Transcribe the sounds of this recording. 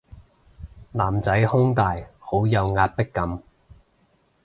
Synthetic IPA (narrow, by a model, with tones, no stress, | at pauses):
laː˨˩mt͡sɐ˨˥jhʊ˥ŋt̪aː˨jho˨˥wjɐ˨˧wŋaː˧t̚pɪ˥kːɐ˨˥m